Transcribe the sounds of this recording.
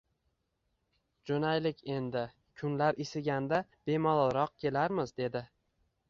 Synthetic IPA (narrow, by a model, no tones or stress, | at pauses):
d͡ʒonajlɪkʲe̞nd̪ɪ | kʰʊnlaɾɪsɪɡʲand̪ab̥e̞mɒlˠɾɒq̚kʲʰe̞laɾmɪzd̪e̞d̪ɪ